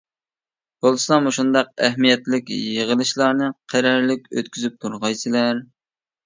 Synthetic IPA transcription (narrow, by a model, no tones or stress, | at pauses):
b̥olˠsɑmoʃund̪ɑq̚ɛ̰ɦmijɛt̪lɪkʲjəʁəlˠɨʃlˠɑɾnɨqʰæɾɑɾlɪkʲø̰t̪̚kʲyzyp̚t̪ʰuɾʁɑjsɨlæɾ